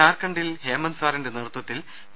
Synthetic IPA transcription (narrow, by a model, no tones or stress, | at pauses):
aːrkɐɳɖilheːmɐnsaːɾinde̞nirt̪wɐt̪ːil